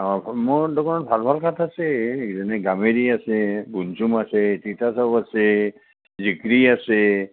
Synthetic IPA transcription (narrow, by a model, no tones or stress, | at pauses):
mɔdɔkɔnbʱalbʱalkatʰasekzɔneɡameɾiasebund͡ʒumasetitasɔbase | zikɾiase